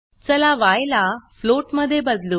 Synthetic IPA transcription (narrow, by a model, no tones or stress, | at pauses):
t͡səlaʋajlafloʈməd̪ʱːjebəd̪lu